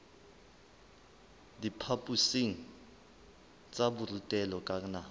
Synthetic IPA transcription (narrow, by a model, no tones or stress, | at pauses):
dipʰapʼusiŋ̩ | t͡sʼaburutʼɛlɔkʼaŋna